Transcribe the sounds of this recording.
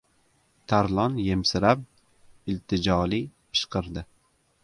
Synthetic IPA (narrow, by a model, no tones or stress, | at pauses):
t̪ʰaɾlˠɒnje̞msɪɾap̚ | ɪlt̪ʰɪd͡ʒɒlipʰɨ̥ʃqɨɾd̪ɪ